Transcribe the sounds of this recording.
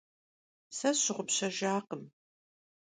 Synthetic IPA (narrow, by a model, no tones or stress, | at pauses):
sɐɕɪʁʷʊpɕɐʒaːqəm